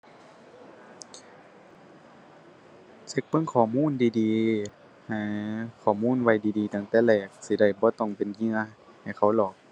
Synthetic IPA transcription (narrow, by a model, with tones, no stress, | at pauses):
se˧˦k̚pɤ˧˥˨ŋkʰɔː˨˩muː˧˥˨ndiː˨˧˦diː˨˧ | ha˧˩kʰɔː˨˩muː˧˥˨nwa˧˩jdiː˨diː˨˦t̪a˧˩ŋt̪ɛː˧˩lɛː˧˩k̚si˧˦da˧˩jbɔː˧˦t̪ɔ˧˩ŋpe˨nɲɯ˧˥ə | ha˨˩jkʰa˧˩wlɔː˨˩k̚